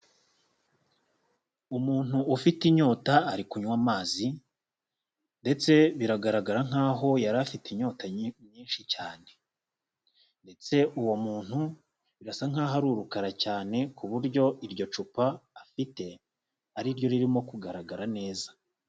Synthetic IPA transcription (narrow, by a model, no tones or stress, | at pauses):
umuːn̥uːfitiɲo̞ːtaːɾikuɲwaːmaːzi | nde̞t͡se̞βiɾaɡaɾaɡaɾaŋ̥aːɦo̞jaɾafitiɲo̞ːtaɲiːnʃicaːne̞ | nde̞t͡se̞ʔuwo̞muːn̥hu | βiɾasaŋ̥aːɦaɾuːɾukaɾacaːne̞kuβuɾɟo̞iɾɟo̞t͡ʃupaːfite̞ | aɾiɾjo̞ɾiɾimo̞kuɡaɾaɡaɾane̞ːza